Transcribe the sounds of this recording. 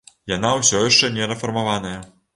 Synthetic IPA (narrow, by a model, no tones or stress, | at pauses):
janawsʲɔjaʂt͡ʂɛnʲɛɾɛfɐrmavanɐjɐ